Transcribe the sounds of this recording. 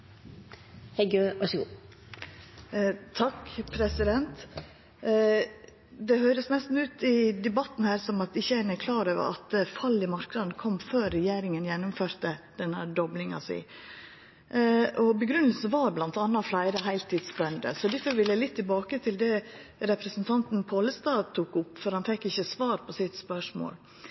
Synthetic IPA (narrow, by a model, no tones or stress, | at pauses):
hɛɪɡøːʋɑʂəɡuː | t̪ʰɑkːpʰɾɛsɪd̪ɛnt̪ | d̪ɛhøːɾəsnɛst̪n̩ʉːt̪ɪd̪ɛbɑt̪n̩hæːɾsɔmɑt̪ɪçːəæɪɾnɛkʰlɑːɾøːʋə̰ɾɑ̰t̪fɑlːɪmɑɾknɑd̪nkʰɔmːføːɾːɛjeːɾɪŋənjɛnːʊmføːɾt̪əd̪̥ɛnːəd̪ɔblɪŋɑ̰sɪ̰ | ʔɔbəɡɾʉnəlsəʋɑɾblɑnt̪ɑnːɑflæɪɾəɦæɪlt̪ʰːiːd̪sbɛnd̪ə̰sɔd̪æfɔɾʋɪlːəlɪt̪ʰːɪlbɑːkət̪ʰɪld̪ɛɾɛpɾɛsnt̪ʰɑnt̪npʰoːləst̪ɑːt̪ʰuːkʊpːfɔɾhɑnfɛkːɪçːəsʋɑːɾpʰɔsɪt̪spœʂmo̰ːl